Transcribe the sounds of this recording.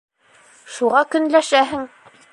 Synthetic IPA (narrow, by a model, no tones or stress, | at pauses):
ʃuʁɑkɵ̆nlæʃæɦɘŋ